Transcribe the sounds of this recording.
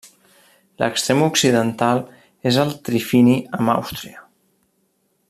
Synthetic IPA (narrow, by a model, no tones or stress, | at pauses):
lə̰kst̪ɾemuksiðənt̪alˠ | ezəlˠt̪ɾifiniəma̰wst̪ɾiə